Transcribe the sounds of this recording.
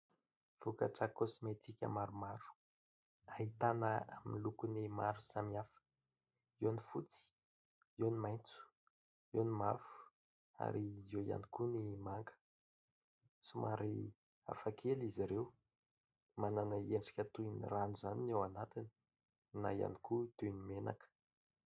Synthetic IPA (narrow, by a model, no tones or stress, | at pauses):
v̥ukəʈ͡ʂakosimet̪ikʲə̰maɾumaɾu̥ | aɦit̪anəa̰minlukunimaɾusamiafə̥ | ewnifut͡si̥ | ewnimajnt͡su̥ | ewnimafu̥ | a̰ɾizeja̰nikunimaŋɡə̥ | sumaɾi | a̰fakʰeliziɾew | mananəeɳɖ͡ʐi̥kʲət̪uinḭranuzaninewanat̪ini̥ | na̰ja̰nikut̪ujnimena̰kə̥